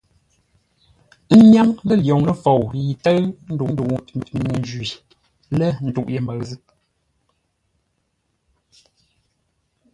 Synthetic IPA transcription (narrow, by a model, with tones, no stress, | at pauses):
ɲa˦ŋlə˦˨ljɔ˨ŋlə˦fo˨wji˨tə˦ɰn̩˦du˨˦du˨nə˨n˦d͡ʒi˨ | lə˦n̩˨tu˦˨ʔje˨m˦bə˨ɣzɨ˦ʔ